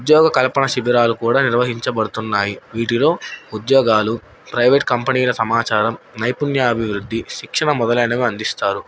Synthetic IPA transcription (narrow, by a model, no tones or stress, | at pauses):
ud̪jɔːɡɐkɐlɐpɐɳɐʃibiɾaːlukuːɽaːniɾʋɐɦiɲt͡ʃɐbɐɽut̪unːaːjiʋiːʈilo̞ːud̪jɔːɡaːlu | pɾɐjʋeʈ̚kɐmpɐniːlɐsɐmaːt͡ʃaːɾɐmnɐjpunjɐɐbʱiʋɾud̪ʱːiʃikʂɐɳɐmɔd̪ɐlɐjnɐmeːɐnd̪ist̪aːɾu